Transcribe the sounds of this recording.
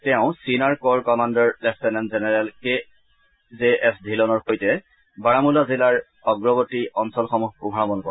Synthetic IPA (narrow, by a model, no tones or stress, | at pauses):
tɛʊ̃sinaɹkɔɹkɔmandɔɹlɛftɛnɛnzɛnɛɹɛlke | zeʔɛsdʱilɔnɔɹxojtɛ | baɹamulazilaɹ | ɔɡɹɔbɔtiɔnsɔlxɔmuxkubʱɹabɔnkɔ